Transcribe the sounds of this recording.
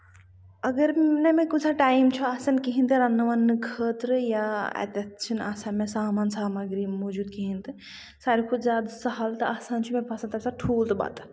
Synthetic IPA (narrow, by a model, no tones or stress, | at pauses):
ɐɡəɾnemẽkud͡ʒaʈaːimt͡ʃʰɔaːsɐnkiɦĩnt̪ɨɾɐnːɐʋanːɨkʰəːt̪ɾɨjaɛ̰t̪et̪t͡ʃʰina̰ːsanmẽsaːmaːnsaːmɐɡɾimɔːd͡ʒuːd̪kiɦĩnt̪ɨ | saːɾikʰubzjaːd̪sɐɦalt̪ɐaːsãnt͡ʃʰumẽpʰɐsɐ̃t̪ɐbsaʈʰuːlt̪ba̰ːt̪